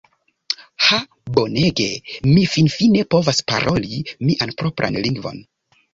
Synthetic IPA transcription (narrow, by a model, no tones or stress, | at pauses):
ha | bo̞ne̞ɡe̞mifinfine̞po̞vaspa̰ɾʔo̞limiʔanpɾo̞pɾʔa̰nliŋɡvo̞̰n